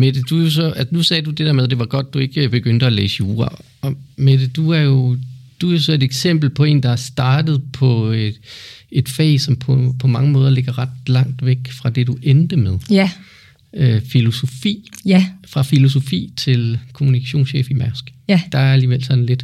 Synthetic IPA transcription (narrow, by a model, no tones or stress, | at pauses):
med̥ed̥ujo̝sɒ̽æsnusɛːdud̥ed̥ɛ̰ɐmeð̞ˠd̥e̝ʋɑ̈ɡ̥ɒ̽d̥ːue̝ɡ̥əb̥e̝ɡ̥øn̰d̥əɒlḛːsəuːɐ | ɒ̽meded̥uæɐjo̝d̥uæjoosɒ̽e̝d̥eɡ̥sem̰b̥l̩pʰɒ̽e̝̰ːnd̥ɑæsd̥ɑ̈ːd̥ð̩ˠpʰɒ̽ | e̝d̥fɛ̰ɪsɒ̽mpʰɔpʰɒ̽mɑ̈ŋəmɔ̽ːð̞ˠɐle̝ɡ̥ɐʁɑd̥lɑ̈ŋ̰d̥ʋeɡ̥fʁɑ̈d̥e̝duʔend̥əmeð̞ˠ | øfilo̝so̝fḭːfʁɑ̈filo̝s̬o̝fḭːt͡sʰe̝lkʰo̝munikʰæɕo̝̰ːnɕḛːfimæɐsɡ̥d̥ɑ̈æɐæliːʋel̰sɒ̽n̩le̝d̥